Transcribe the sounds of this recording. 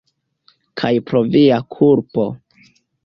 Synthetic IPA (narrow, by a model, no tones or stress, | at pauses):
kʰajpɾo̞viakʰuɾpo̞